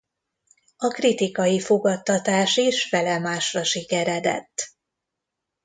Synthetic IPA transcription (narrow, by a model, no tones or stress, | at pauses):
ɒkrit̪ikɒjifoɡɒt̪ːɒt̪aːʃeːʃfɛlɛmaːʃrɒʃikɛɾɛd̪ɛ̰t̪ː